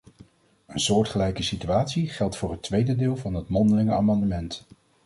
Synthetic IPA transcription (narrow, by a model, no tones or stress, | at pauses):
ənsʊːɹtχəlɛjkəsityaːtsiχɛlˠtfʊːɹɦətʋejdədɪːlˠvɑnɦətmɔndəlɪŋəaːmɑndəmɛnt